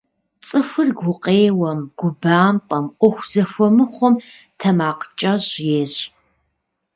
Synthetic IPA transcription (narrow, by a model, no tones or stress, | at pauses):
t͡sʼɨfʷʊrɡʷʊqʼeːwɐmɡ̥ʷʊbaːmpʼɐmʔʷɔxʷz̥ɐfʷɔmɨχʷɔm | tʰɐmaːqt͡ʃʼɐʑjeːɕ